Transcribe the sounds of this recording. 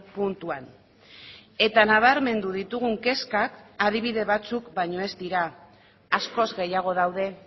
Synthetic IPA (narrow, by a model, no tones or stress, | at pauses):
punt̪uan | e̞t̪anaβ̞aɾme̞nd̪uðit̪uɣ̞uŋke̞skakað̞iβ̞iðe̞β̞at͡sukbajɲo̞e̞zd̪iɾaː | sko̞zɣe̞jaɣ̞o̞ð̞awðe̞